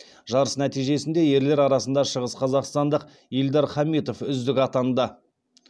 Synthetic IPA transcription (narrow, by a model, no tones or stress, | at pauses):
ʒɑɾəsnæt̪ijʒe̞sɪnd̪e̞je̞ɾle̞ɾɑɾɑsənd̪ɑʃəʁəsqʰɑzɑqst̪ɑnd̪əq | ild̪ɑɾχɑmit̪o̞fʏzd̪ɪkʲɑt̪ɑnd̪ə